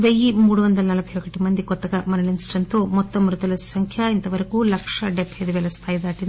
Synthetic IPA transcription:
ʋejimuːɽuʋond̪ɐlɐnɐlɐbʱɐjokɐʈːimɐnd̪ikɔt̪ːɐɡɐmɐnɐlinsʈɐnt̪omɔt̪ːɐmɾut̪ɐlɐsɐŋkʰjɐint̪ɐʋɐɾɐkuːlɐkʂɐɖepeːd̪uʋɛlɐst̪ʰaːjid̪aːʈi

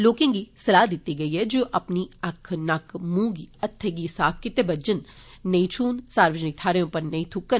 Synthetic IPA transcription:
loːkẽːɡisɐlaːd̪ɪt̪ːiɡɐiɦɛd͡ʒoːʔɐpniɐkʰnɐkʰmũːɡiɐt̪ʰːeɡisaːb̚ʰkɪt̪ebɐd͡ʒənː | ɐĩt͡ʃʰuːnsaːɾʋəd͡ʒnɪk̚t̪ʰaːɾejõpɐɾnɐĩt̪ʰʊkːən

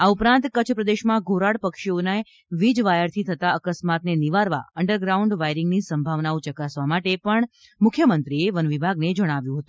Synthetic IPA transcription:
aupɾãnt̪kət͡ʃʰpɾəd̪eʃmãɡʱoɾaɽpəkʃionae | ʋid͡ʒʋajəɽt̪ʰit̪ʰət̪aəkəsmat̪neniʋaɾʋa̰əɳɖəɾɡɾauɳɖʋajɾɪŋɡnisəmbʱaʋnaot͡ʃəkasʋamaʈepəɳ | mʊkʰːjəmənt̪ɾieʋənʋibʱaɡned͡ʒəɽ̃aʋjũɦət̪ũ

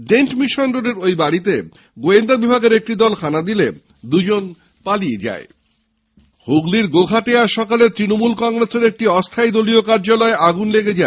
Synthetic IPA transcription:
ɖeɳʈmiʃonɾoɖeɾojbaɽit̪e | ɡoend̪ʱabibʱaɡeɾek̚ʈid̪ɔlkʰanad̪ile | d̪ud͡ʑon | palied͡ʑa̰e | hoɡliɾɡoɡʱaʈeaʃɔkalet̪ɾinomulkɔŋɾeseɾek̚ʈiɔst̪ʰajd̪oliokaɾd͡ʑalɔeʔaɡunleɡed͡ʑae

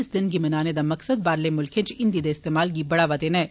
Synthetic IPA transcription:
sd̪ɪnkimɐnaːned̪amɐksəd̪̚baːɾlemʊlkʰẽt͡ʃɪ̃nd̪iːd̪eɪst̪eːmaːlk̬ibɐɽaʋɐd̪enɛː

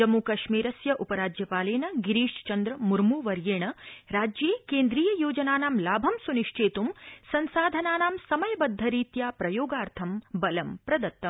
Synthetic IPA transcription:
d͡ʒɐmːukɐʃmiːɾɐsjɐʔupɐɾaːd͡ʒjɐpaːleːnɐɡiɾiːʂt͡ʃɐnd̪ɾɐmuɾmuːʋɐɾjeːɳɐɾaːd͡ʒjeːkeːnd̪ɾiːjɐjoːd͡ʒɐnaːnaːmlaːbʱɐmsuniʂʈʰeːt̪umsɐnsaːd̪ʱɐnaːnaːmsɐmɐjɐbɐd̪ʱːɐɾiːt̪jaːpɾɐjoːɡaːɾt̪ʰɐmbɐlɐmpɾɐd̪ɐt̪ːɐm

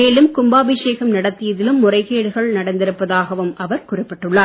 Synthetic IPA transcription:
eːlɯmkʊmbaːbɪʂeːɣɐmnɐɽɐt̪ːɪjɐðɪlɯmːʊrɐɪɣeːɽɯɣɐɭnɐɽɐnd̪ɪɾɯpːɐðaːɣɐʋɯmʔɐʋɐɾkʊrɪpːɐʈːɯɭːaː

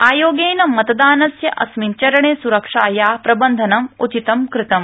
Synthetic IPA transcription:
aːjoːɡeːjnɐmːɐt̪ɐd̪aːnɐsjɐʔɐsmint͡ʃɐɾɐɳeːsuɾɐkʂaːjaːpɾɐbɐnd̪ʱɐnɐmut͡ʃit̪ɐmkɾɪt̪ɐm

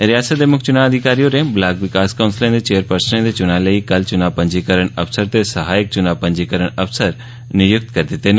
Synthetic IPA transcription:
ɾijaːsət̪̚emʊk̚t͡ʃʊnaːʋɐd̪ʱikaːɾijoɾẽblaːkʋɪkaːskaʊ̃nsɪlẽd̪et͡ɕeːəɾpɐɾsnẽd̪et͡ʃʊnaːlɐikɐlt͡ʃʊnaːʋpɐ̃ɲd͡ʒikɐɾəɽ̃ɐfsəɾt̪esɐɦaːjɪk̚t͡ʃʊnaːʋpɐ̃ɲd͡ʑikɐɾəɽ̃ɐfsəɾ | nɪjʊk̚t̪kɐɾd̪ɪt̪en

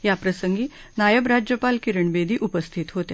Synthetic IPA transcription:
japɾəsəŋɡiː | najəbɾad͡ʑjəpalkiɾəɳbed̪ʱiːʔupəst̪ʰit̪ɦot̪ja

